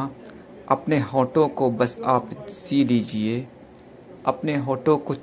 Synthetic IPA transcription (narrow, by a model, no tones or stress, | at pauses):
ɐpneɦɔːʈõkobɐsaːpsiːliːd͡ʒie | ɐpneɦɔːʈõko